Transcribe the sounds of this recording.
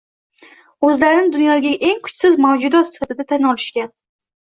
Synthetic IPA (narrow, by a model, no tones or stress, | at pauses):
ɵzlaɾɪnɪd̪ʊnjɒɡʲaʔe̞ŋkʰʊ̥t͡ʃsɪzmawd͡ʒʊd̪ɒsɪ̥fat̪ʰɪd̪at̪ʰanɒlɪʃkʲan